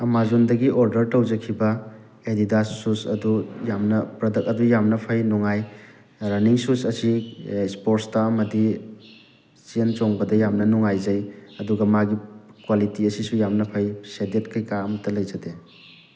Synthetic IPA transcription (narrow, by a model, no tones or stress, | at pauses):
ɐmazundɐɡiʔoɾdɐɾtɐwzɐkʰibɐ | edidasːusɐ̰dujamnɐpɾɐdɐk̚ɐdujamnɐpʰɐjnuŋaj | ɾɐniŋsusɐsispoɾstaɐmɐdi | t͡ʃient͡ʃoŋbɐdɐjamnɐnuŋajzɐjɐduɡɐmaɡikwalitiɐsisujamnɐpʰɐjsedetkɐjkaɐmɐtːɐlɐjzɐde